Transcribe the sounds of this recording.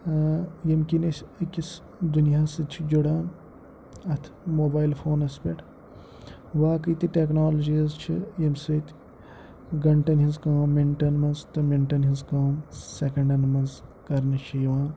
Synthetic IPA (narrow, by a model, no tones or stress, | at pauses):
jɐmkinɐsʲɐkʲis | d̪unijaːsɨd̪̚t͡ʃʰid͡ʒuɽaːn | ɐt̪ʰmoːbaːilfʰoːnɐspʲeʈʰ | ʋaːkiːt̪iʈeknaːlɐd͡ʒiɐzt͡ʃʰijɐmsɐt̪ | ɡɐɳʈɐnɦinzkaːmiɳʈɐnmɐnzt̪ɐmiɳʈɐnɦinzkaːmsekɐɳɖɐnmɐnzkɐɾnɐʃʰiːʋãːn